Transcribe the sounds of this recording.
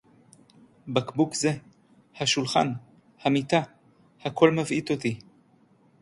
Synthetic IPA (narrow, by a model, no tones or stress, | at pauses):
bakbukze | haʃulχa̰n | hamit̪a | hakʰolmavʔit̪ot̪i